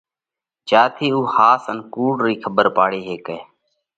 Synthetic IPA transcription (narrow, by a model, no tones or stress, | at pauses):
t͡ʃaːt̪ʰiːuːhaːsənkuːɖɾiːkʰəbəɾpaːɽeːɦeːkeː